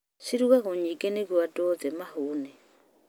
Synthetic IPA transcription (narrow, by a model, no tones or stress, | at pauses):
siɾuɣaɣoɲikeneɣwadoðɛmahuːne